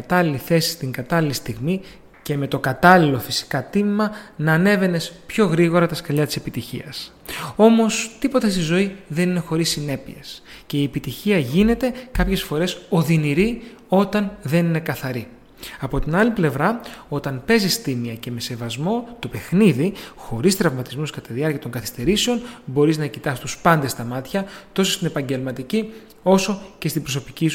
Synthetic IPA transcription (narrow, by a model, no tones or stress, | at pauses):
t̪ɐliliθe̞si̥st̪iŋɡɐt̪ɐlilist̪iɣmi | ce̞me̞t̪o̞kɐt̪ɐlilo̞fi̥si̥kɐt̪imimɐnɐːne̞ve̞ne̞spço̞ɣɾiɣo̞ɾɐt̪ɐskɐʎɐt̪i̥se̞pit̪içḭɐs | o̞mo̞st̪ipo̞t̪est̪izo̞iðe̞nine̞xo̞ɾisːine̞piesce̞iepit̪içiɐʝine̞t̪e̞kɐpçe̞sfo̞ɾe̞so̞ðiniɾi | o̞t̪ɐnðe̞nine̞kɐθɐɾi | ɐpo̞t̪inɐliple̞vɾɐo̞t̪ɐnpe̞zist̪imiɐce̞me̞se̞vɐzmo̞t̪o̞pe̞xniðixo̞ɾist̪ɾɐvmɐt̪izmuskɐt̪ɐðiɐɾciɐt̪o̞ŋɡkɐθi̥st̪e̞ɾise̞o̞nbo̞ɾiznɐcit̪ɐsist̪uspɐnd̪est̪ɐmɐt̪çɐt̪o̞sost̪ine̞pɐɲɟe̞lmɐt̪ici | o̞so̞ce̞st̪ibɾo̞so̞picis